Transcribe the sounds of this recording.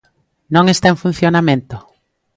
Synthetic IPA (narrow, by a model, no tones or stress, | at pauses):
nõŋest̪aeŋfun̟θjonamẽnt̪o